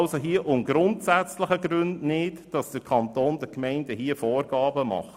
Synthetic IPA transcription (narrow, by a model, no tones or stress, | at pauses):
lsoɦiəʔʊŋɡɾʊntsæt͡slɪχəɡɾʏndnɪtd̥ɑsd̥əɾkʰɑntoːnd̥əɾkmɛɪndəhiəfɔːrɡ̥ɑːbəmɑ̰χ